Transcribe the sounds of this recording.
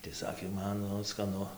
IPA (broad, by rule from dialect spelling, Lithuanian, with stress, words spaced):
tɐɪ ˈsɑːkʲeː ˈmɐn nʊ skɐˈnʊ